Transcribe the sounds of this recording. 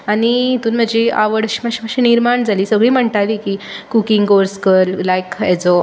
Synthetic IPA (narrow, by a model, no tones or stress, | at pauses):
aɽ̃iit̪uːnm̤əd͡ʑia̰ʋəɽɕməɕm̤əɕiniɾmaɳd͡zaliːsəɡɭiːm̤əɳt̪aʋikiːkukiŋɡɡoɾskəllajkɛd͡zɔ